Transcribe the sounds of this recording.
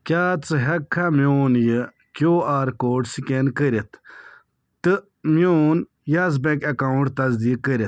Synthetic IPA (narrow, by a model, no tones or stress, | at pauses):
kʲaːt͡sɨɦɐkʰːamjoːnjɨ | kʲoːaːɾkoːʈsikenkəɾet̪ʰ | t̪ɨ | mjoːn | jaz̬bekɐkawɳʈt̪ɐzd̪iːk̚ːəɾet̪̚